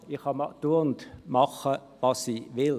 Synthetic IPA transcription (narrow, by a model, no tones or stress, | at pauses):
ɪχhɑmɑtuɐntmɑχə | vɑsiːvɪl